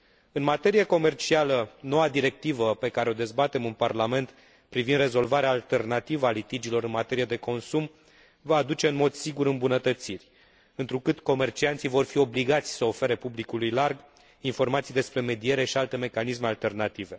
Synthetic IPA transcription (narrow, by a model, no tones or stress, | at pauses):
ɨnmat̪e̞ɾijeko̞me̞rt͡ʃialəno̞wad̪iɾe̞k̚t̪ivəpe̞kaɾeo̞d̪e̞zbat̪e̞mɨnparlame̞nt̪ | pɾivind̪re̞zo̞lvaɾeaːlt̪e̞rnat̪ivəalit̪id͡ʒilo̞ɾɨnmat̪e̞ɾije̞d̪e̞ko̞nsum | vaːd̪ut͡ʃe̞ɨnmo̞d̪̥siɡuɾɨmbunət̪ət̪sirʲ | ɨnt̪ɾukɨt̪ko̞me̞rt͡ʃiant̪sivo̞rfio̞bliɡat̪sʲsəo̞fe̞ɾe̞publikulujlarɡ | info̞rmat̪sijd̪e̞spɾe̞me̞d̪ie̞ɾe̞ʃialt̪e̞me̞kanisme̞alt̪e̞rnat̪ive̞